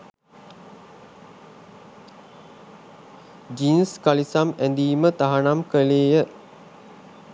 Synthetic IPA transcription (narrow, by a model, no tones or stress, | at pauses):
d͡ʒinskalisamænd̪iːmət̪aɦanamkəleːjə